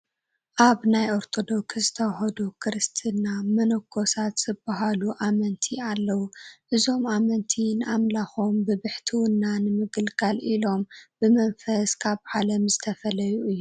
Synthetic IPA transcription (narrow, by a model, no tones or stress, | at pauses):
ʔaβnajo̞ɾt̪ʰo̞d̪o̞kszɨt̪ʰɐwɦɐd̪okʰɾɨst̪ʰɨnamɐnɐkʰːo̞sat̪z̥ɨbaɦaluʔamɐnt̪ʰialːɐwuʔɨzo̞mamɐnt̪ʰinɨʔamlaxombɨβɨħt̪ʰiwʊnːanɨmɨɡɨlkʰalʔilo̞mb̥ɨmɐnfɐskʰaβʕalɐmzɨt̪ʰɐfɐlɐjuɨjːu